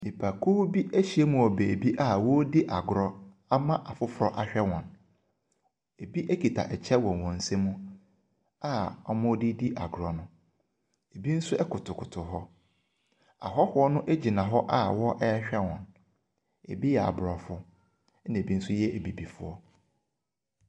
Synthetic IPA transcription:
ne˨pʰa˨kʰu˦bi˦ʔæ˦ɕi˨e˦mũ˨ɔ˨be˨bi˦ʔa˦wɔ˦dɪ˦ʔa˨ɡʊ˨ɾɔ˦ | a˦mã˦ʔa˨fʊ˦fʊ˨ɾɔ˦ʔa˨ɕᶣɛ˦wɔ̃˨n | e˨bi˦ʔe˦kʰi˨tʰa̰˨ʔɛ˨t͡ɕʰɛ˦wɔ̃˨wɔ̃˨n̩˨sẽ˦mũ˦ | a˦ɔ˦mʊ̃˦di˦di˦ʔa̰˨ɡʊ˨ɾɔ˨nʊ̃˦ | e˨bi˦n̩˦sʊ˦ʔɛ˦kʰʊ˨tʰʊ˨kʰʊ˨tʰʊ˨ɦɔ˦ | a̰˨ɦɔ˦hʊ˨˦ɔ˦nʊ̃˦ʔe˦d͡ʑi˨nã˨ɦɔ˦ʔa˦˨wɔ˦ʔɛ˦ɕᶣɛ˦wɔ̰̃˨n | e˨bi˦jɛ˨a̰˨bʊ˨ɾɔ˨fʊ˦ | ñ˨bi˦n̩˦sʊ˦jɛ˦ʔe˨bi˨bi˨fʊ̰˦ɔ˦

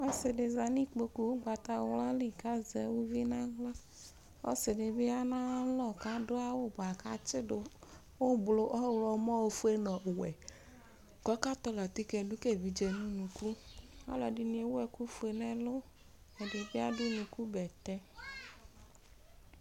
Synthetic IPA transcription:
ɔ˦sɪ˨dɪ˨za˨nĩ˦k͡po˨ku˨wo˦ɡ͡ba˨t̪a˨wla˦li˨ka˦zɛ˨˦wo˦vi˦nã˦ɣlɔ˦ | o̰˦sɪ˨dɪ˨bɪ˦a˦nã˦lɔ˦ka˦dʊ˦a˦wo˦ba˨ka˦t͡ʃɪ˦dʊ˨ | wo˦blo˨ʔɔ˦˨wlɔ˨mɔ˦wo˦fu˦e˦nɔ̃˨wɛ˨ | ɡɔ˦ka˦t̪ɔ˨˦lɔ˨t̪i˦kɛ˨du˦ke˦˨vi˨d͡ʒe˨nũ˦nũ˨ku˦a̰˦lɔ˨dɪ˨nĩ˨e˨wɛ˨ku˦fu˦e˨nɛ̃˨lʊ˦ | ɛ˨dɪ˨bɪ˦a˦dɪ˦nũ˨ku˦bɛ˨t̪ɛ˦

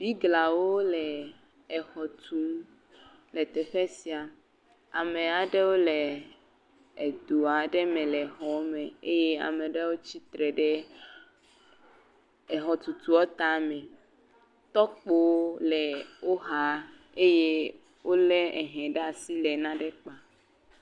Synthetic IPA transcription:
b̥i˦ɡla˨wo˦lɛ˨ | ɛ˨xɔ˨t̪ʰu˨˦ | lɛ˨t̪ɛ˨ɸɛ˦si˨a˨ | a˨mẽ˨a˨ɖe˦wo˦lɛ˨ | d̪u˨a˨ɖɛ˦mɛ̃˨lɛ˨ɦɔ˨˦mẽ˨e˦jɛ˦a̰˨mɛ̃˨ɖe˦wo˦t͡ɕi˦t̪ɾɛ˨ɖɛ˦ | ɛ˨ɦɔ˨t̪u˨t̪u˨ɔ˦t̪a˦mɛ̃˨ | t̪ɔ˦k͡po˦wlɛ˨wo˦ɦa˦ | e˦je˦ | wʔo˦le˦ɛ˨ɦɛ̃˨ɖa˨si˦lɛ˨nã˦ɖe˦k͡pa˨

